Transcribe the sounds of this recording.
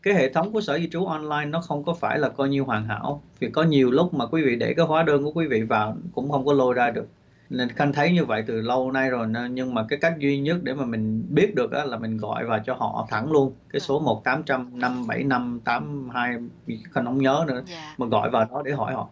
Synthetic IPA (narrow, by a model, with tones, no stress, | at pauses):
kaː˨˦jhḛ˧˨t̪ʰə˨˦wŋ͡mku˧˩əsəː˧˩zi˧t͡ɕu˨˦ʔɔ˧nlaː˧jnːɔ˨˦xə˧wŋ͡mkɔ˨˦faː˧˩jlaː˨˩kɔ˨˧jɲi˧əwɦwaː˨˩ŋɦa̰ː˧˩wvʰi˨˩kɔ˨˦ɲi˨˩əwlʊ˦˥k͡p̚maː˨˩kwi˨˦vḭ˧˨ɗe˧˩kaː˨˦jhwaː˨˦ɗəː˧nku˧˩əkwi˨˦vḭ˧˨vaː˨˩wkʊ̰˧˥ŋ͡mxə˧wŋ͡mkɔ˨˦lo˧jzaː˧ɗɨ˨˩ək̚ | xa˧ŋt̪ʰə˨˦jɲɨ˧və̰˧˨jt̪ɨ˨˩lə˧wna˧jzo˨˩jɲɨ˧ŋmaː˨˩kaː˨˦jka˦˥jk̟̚zwi˧ɲə˦˥t̚ɗe˧˩maː˨˩mï˨˩ŋ̟ɓi˦˥ət̚ɗɨ˨˩ək̚ʔaː˨˦laː˨˩mï˨˩ŋ̟ɣɔ̰˧˨jvaː˨˩wt͡ɕɔ˧hɔ̰˧˨t̪ʰa˧˩ŋlu˧ənkaː˨˦jso˨˦mo˨˩t̚t̪aː˨˦mt͡ɕa˧mna˧mɓa˧˩jna˧mt̪aː˨˦mhaː˧jxə˧˩nʰə˨˦wŋ͡mɲəː˨˦nɨ̰˧˥əma˨˩ɣɔ̰˧˨jvaː˨˩wɗɔ˨˦ɗe˧˩ɦɔ˧˩jhɔ̰˧˨